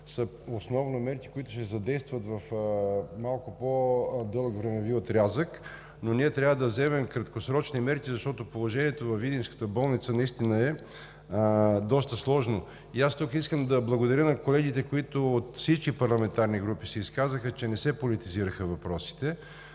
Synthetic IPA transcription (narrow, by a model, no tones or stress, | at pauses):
səosnɔvnomɛɾkʲi̥koit̪ʊ̥ʃɛzɐd̪ɛjst̪vət̪vɐf | malˠkopod̪ɤlˠəkvɾɛmɛviot̪ɾʲazək | noniɛt̪ɾʲavəd̪ɐvzɛmɛmkɾɐt̪kosɾɔt͡ʃnimɛɾkʲizɐʃt̪ɔt̪opolˠoʒɛniɛt̪ovɐfid̪inskə̥t̪əbɔlˠnit̪sənɐist̪inəɛ | d̪ɔst̪əslˠɔʒno | iast̪ukiskəmd̪ɐblˠɐɡod̪ɐɾjənɐkolɛɡ̟it̪ɛkoit̪ʊːt̪fsit͡ʃkʲipɐɾlˠɐmɛnt̪aɾniɡɾupisɛiskazəxət͡ʃɛnɛsɛpolit̪iziɾəxəvɐpɾɔsi̥t̪ɛ